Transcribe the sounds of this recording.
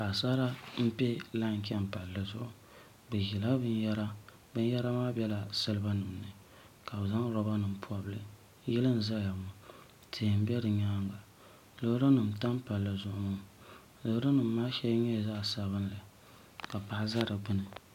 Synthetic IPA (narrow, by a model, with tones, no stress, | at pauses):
ka˨sa˦la˦m̩˦pɛ˦la˦ŋ˨kɛ˦m˨pa˨lːɨ˨zʊ˦ʔʊ˨ | bɨ˨ji˨la˦bɨ˦njɛ˦ɾa˦ | bɨ˦n˦jɛ˦ɾa˦maː˦bʲɛ˦la˨sɨ˦lɨ˦ba˦nɨ˨m˨nɨ˨ | ka˨bza˦ŋ˦ɾɔ˦ba˦nɨ˨m̩˨pʰu˦a˨bɨ˦lɨ˦ | ji˦lɨ˦n˨za˦ja˨mʊ˨ | tʰɨ˨m̩˦bɛ˦dɨ˨ɲaː˦ŋɡa˨ | lo˨hɾɨ˦nɨ˨m̩˨ta˦m˦pa˨lːɨ˨zʊ˦ʔʊ˦mʊ˦˨ | lo˨˦ɾɨ˦nɨ˨m̩ː˨aː˦ʃɛ˦ɲɛ˦˨zaː˦˨sa˨bɨ˦n˦la˨ | ka˨pa˨ʔa˦za˦ɾɨ˨ɡ͡bɨ˦nɨ˨